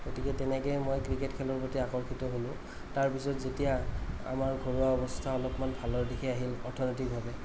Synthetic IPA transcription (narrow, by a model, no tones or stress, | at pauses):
ɡotikɛtɛnɛkɛjmojkɹiketkʰɛlɔɹbotiakɔɹxitɔɦolʊ̃ | taɹpisɔtzetijaa̰maɹɡʱoɹuaɔbɔstʰaɔlɔpmanbʱalɔɹdikʰɛaɦilɔɹtʰɔnɔtikɦɔlɛ